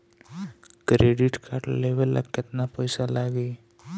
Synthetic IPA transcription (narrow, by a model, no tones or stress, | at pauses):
kɾeɖiʈkʰaɾʈleʋelʔa̰kːet̪napəjsalaɡe